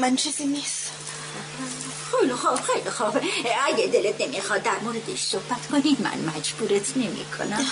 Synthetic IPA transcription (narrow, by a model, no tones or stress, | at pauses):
mænt͡ʃʰezinis | xejlixɑːbxejlixɑːbʔæɡed̪elet̪nemixɑːd̪̚d̪æɾmoːɾed̪eʃsohb̥æt̪kʰonimæ̰nmæd͡ʒbuːɾet̪ʰnemḭːkʰo̰næm